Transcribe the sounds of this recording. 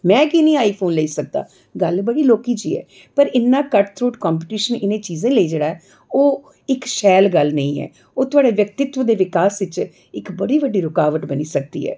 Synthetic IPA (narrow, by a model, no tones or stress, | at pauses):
mɛ̃ːkinĩːaːiːpʰoːnləiːsək̚d̪a̰ː | ɡəlbəɽiːloːkiːt͡ʃiːɛ̰ː | pəɾɪnːãːkəʈt̪ʰɾoːʈkaːmp̬ːʈiːʃənɪnẽːt͡ʃiːzẽːləiːd͡ʒeːɽaːɛː | oː | ɪkʃɛːlɡəlnəĩːɛ̰ː | oːt̪ʊaːɽeːʋjək̚t̪ɪt̪ʋəd̪eːʋɪkaːsʋɪt͡ʃ | ɪkbəɽiːʋəɖiːɾʊkaːʋəʈbəniːsək̚d̪ḭːɦɛ̰ː